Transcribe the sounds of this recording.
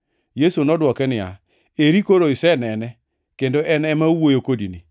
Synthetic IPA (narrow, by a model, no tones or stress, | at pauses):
jesonɔdwɔkɛnɪa̰ | eɾikoɾoisɛnɛnɛ | kendoʔɛnɛmauwojokodini